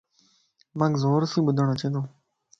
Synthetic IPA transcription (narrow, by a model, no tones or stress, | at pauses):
mãːkzoːɾsĩːɓʊd̪ʱəɳ̃ət͡ʃẽːd̪õː